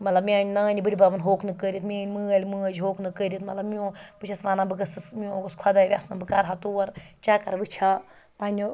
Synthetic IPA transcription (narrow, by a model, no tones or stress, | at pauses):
mɐt̪lɐbmʲaːnʲnaːnʲibɨɽʲibabɐnɦoːkʰnɨkəɾʲit̪miaːnʲmɨɐlʲimɨɐd͡ʒɦoːknɨkəːɾʲit̪mɐt̪lɐbmiõbɨt͡ʃʰɐsʋaːnabɨɡɐsɐsmiõɡɨskʰwad̪aːiʋʲa̰ːsbɨkaɾɦat̪oːɐɾt͡ʃaːkɐɾʋɨt͡ʃʰa | paːnʲo